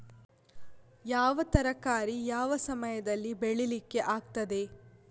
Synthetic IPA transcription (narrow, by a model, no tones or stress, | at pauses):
jaːʋɐt̪ɐɾɐkaːɾijaːʋɐsɐmɐjɐd̪ɐlːibeɭilikːe̞ʔaːɡt̪ɐd̪e̞